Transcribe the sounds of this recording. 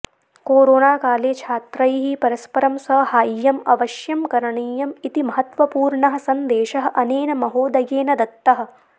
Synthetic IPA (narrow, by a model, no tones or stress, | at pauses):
koːɾoːnaːkaːleːt͡ʃʰaːt̪ɾɐjɦipɐɾɐspɐɾɐmsɐhaːjːɐmɐʋɐʃjɐmkɐɾɐɳiːjɐmit̪imɐɦɐt̪ʋɐpuːɾɳɐɦɐ̆sɐnd̪eːʃɐɦɐ̆ʔɐneːnɐmɐɦoːd̪ɐɡeːnɐd̪ɐt̪ːɐɦɐ̆